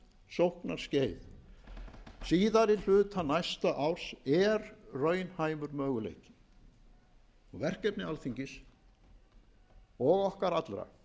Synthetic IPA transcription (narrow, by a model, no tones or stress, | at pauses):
sowhknaɾ̥sceːjð | siːðaɾɪl̥ʏːt̪ʰanajst̪aʔawɾ̥sɛɾrœːɥnhaːjmʏɾmœːɣʏlḛːjcɪ̥ | ɔɣvɛr̥cɛpnɪalθiɲcɪs | ɔɣɔhkaɾat̪lɾa̰